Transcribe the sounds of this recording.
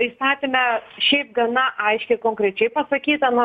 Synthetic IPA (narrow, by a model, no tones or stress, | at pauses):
pɾʲiːst̪ɑːt̪ʲeːmʲɛʃʲɛɪp̚ɡɐnɐʔɐɪʃʲkʲɛɪkoːŋkɾʲɛt͡ʃʲɛɪpɐsɐkʲiːt̪ɐno